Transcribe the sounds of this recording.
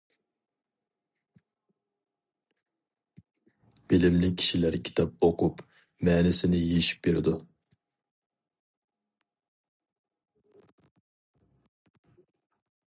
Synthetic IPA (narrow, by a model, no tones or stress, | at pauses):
b̥ɪlɪmlɪk̚ʲʰi̥ʃilæɾkʲʰi̥t̪ʰɑp̚oqʰʊp | mɛːnɪsɪnɪjeʃi̥p̚beɾɪd̪u